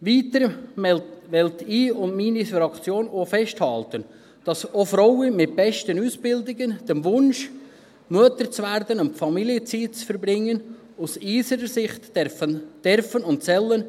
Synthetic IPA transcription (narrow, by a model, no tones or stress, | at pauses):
ʋiːt̪əɾ | ʋɛlt̪iːʊnmiːnifɾɑkt͡sjoːnofɛʃthɑlt̪ən | d̥ɑsofɾɔwəmɪt̚bɛʃtənuːsb̥ɪld̪ɪɡənd̥ɛmʋʊnʃ | muətəɾt͡sʋæɾd̪ənʊnmfɑmiljət͡siːt̚t͡sfəɾbɾɪŋːən | usiːsəɾəsɪχt | d̥ɛɾfənʊntsɛlːən